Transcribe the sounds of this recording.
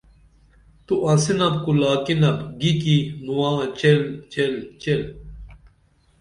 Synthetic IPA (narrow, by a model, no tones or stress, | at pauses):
t̪uʔãsinɐb̚kulaːkinɐbɡikinuwãːt͡ɕelt͡ɕelt͡ɕel